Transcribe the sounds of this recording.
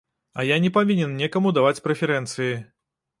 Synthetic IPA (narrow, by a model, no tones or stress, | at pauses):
ɐ̰janʲɛpavʲinʲɛnnʲɛkɐmud̪avat͡sʲpɾɛfʲɛɾɛnt̪sɨji